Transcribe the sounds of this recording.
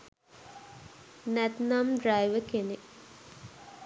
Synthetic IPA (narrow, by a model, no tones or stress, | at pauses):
næt̪namɖɾajʋəkene